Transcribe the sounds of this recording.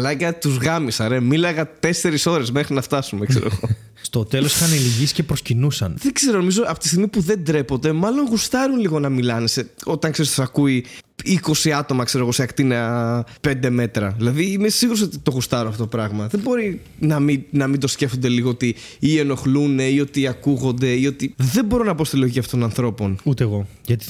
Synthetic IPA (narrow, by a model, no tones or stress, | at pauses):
lɐcɐt̪uzɣɐmisɐɾemilɐɣɐt̪e̞se̞ɾiso̞ɾe̞zmexɾinɐft̪ɐsumekseɾo̞̰ɣo̞ | st̪o̞t̪e̞losixɐniliʝiscepɾoscinusɐ̰nðeɡ̥z̥e̞ɾo̞nomizo̞ɐpot̪ist̪iɣmipuðe̞nd̪ɾe̞po̞t̪d̪e̞mɐlo̞nɣust̪ɐɾunliɣo̞nɐmilɐneseo̞t̪ɐŋkseɾist̪osɐkui | iko̞siɐt̪o̞mɐkse̞ɾo̞ɣo̞seɐkt̪ineɐpe̞nd̪e̞me̞t̪ɾɐ̰ðilɐðimissiɣuɾs̬ot̪it̪o̞ɣust̪ɐɾunɐft̪ot̪opɾɐɣmɐðebo̞ɾinɐminɐmind̪o̞sce̞fo̞nd̪e̞liɣo̞ot̪i | ie̞no̞xlune̞io̞t̪iɐkuɣo̞nd̪e̞iot̪iðebo̞ɾo̞nɐpo̞st̪iloʝiciɐft̪ot̪onɐnθɾo̞po̞nut̪eɣo̞ | ʝɐt̪i̥